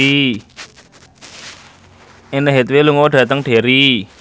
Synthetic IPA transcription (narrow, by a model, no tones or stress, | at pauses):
i | enəɦet̪weluŋoɖ̥ä̤t̪əŋɖ̥e̤ɾi